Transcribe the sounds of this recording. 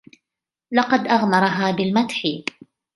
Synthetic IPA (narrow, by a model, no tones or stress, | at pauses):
lɑqɑd̪ʔaɣmɑɾˤɑɦaːbɪlmat̪ħi